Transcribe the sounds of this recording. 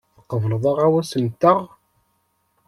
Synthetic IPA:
θəqːəvləðˤɑʁæwæsənt̪ːəʁ

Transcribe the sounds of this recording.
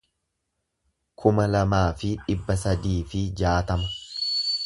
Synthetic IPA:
kʰʊmɐlɐmaːfɪᶑɪbːɐsɐd̪iːfɪd͡ʒaːt̪ɐmɐ

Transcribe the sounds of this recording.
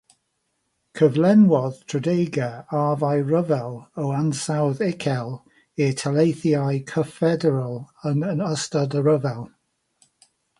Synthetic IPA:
kʰəvlɛnwɔðtʰɹədejɡəaːvajɹəvɛlˠəwansawðɪkʰɛlˠ | ɪtʰalejθiajkʰəfɛdɛɹəlˠənənəstadəɹəvɛlˠ

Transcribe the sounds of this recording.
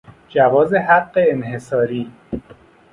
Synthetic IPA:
d͡ʒævɒːzeɦæɢːeːnɦe̞sɒːɾiː

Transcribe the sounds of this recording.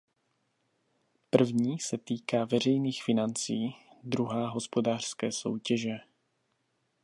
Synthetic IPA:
pr̩vɲiːsɛt̪iːkaːvɛr̝ɛjniːxfɪnant͡siːd̪ɾuɦaːɦo̞spo̞daːr̥skɛːso̞̰wcɛʒɛ

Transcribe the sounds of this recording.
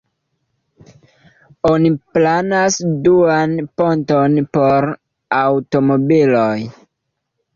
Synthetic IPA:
o̞niplanasduanpo̞ntonpo̞ɾ | awto̞mo̞biloj

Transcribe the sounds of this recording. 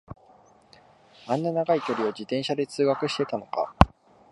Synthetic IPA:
ãnːanaɡaikʲo̞ɾʲiod͡ʑit̪ẽɰ̃ɕad̪e̞t͡sɨːɡakɯ̟ɕi̥t̪e̞t̪ano̞ka̰

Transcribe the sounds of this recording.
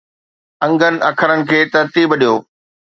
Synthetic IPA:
ɐ̃ŋɡənɪ̆ɐkʰəɾənɪ̆kʰeːt̪ɐɾt̪iːbɗijoː

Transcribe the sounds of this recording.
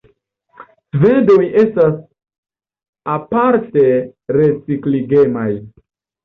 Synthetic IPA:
svedo̞je̞stas | apaɾte̞ɾe̞t͡sikliɡe̞maj

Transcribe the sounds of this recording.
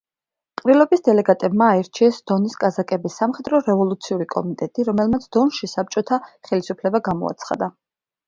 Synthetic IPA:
qʼɾilˠɔbisd̪ɛlɛɡat̪ʼɛbmaːɛɾt͡ʃʰiɛsd̪̥ɔniskʼazakʼɛbisːamχɛd̪ɾɔɾɛvɔlˠut̪sʰiuɾikʼɔmit̪ʼɛt̪ʼiɾɔmɛlˠmat̪sʰd̪̥ɔnʃisap̚t͡ʃʼɔt̪ʰaχɛlisupʰlɛbaɡamɔ̰a̰t̪sʰχa̰d̪a

